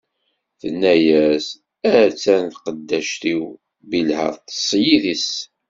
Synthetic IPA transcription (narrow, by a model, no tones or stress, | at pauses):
θənːæjæs | æɾt͡sːænθqəd̪ːæʃt̪iw | bilhə̰ɾˤt̪ə̥sˤːjiðis